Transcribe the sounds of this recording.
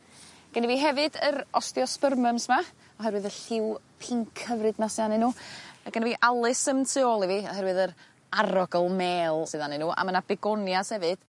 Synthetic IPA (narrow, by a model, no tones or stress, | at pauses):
ɡ̥əniviːɦɛvɨdəɾɔstjɔspərməmsma | ɔɦɛɾwɨðəɬɪw | pʰɪŋkʰəvrɨdnasɨðanɪnuːaɡ̥əniviːʔalˠɨsəmtʰɨoːlˠiviːɔhɛɾwɨðəɾ | aɾɔɡəlˠmeːlˠsɨðanɨnuːʔa̰mənabɛɡɔnjashɛvɨd̥